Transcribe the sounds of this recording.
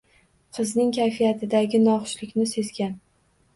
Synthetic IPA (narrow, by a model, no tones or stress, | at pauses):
qʰɨznɪŋkʲʰajfijat̪ʰɪd̪aɡʲɪnɒqʊʃlɪkʲnɪse̞zɡʲan